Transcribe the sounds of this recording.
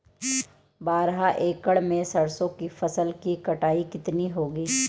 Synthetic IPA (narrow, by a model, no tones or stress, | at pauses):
baːɾɦaʔeːkəɽmẽsɐɽsõkifɐsəlkikɐʈaːikɪt̪niɦoːɡiː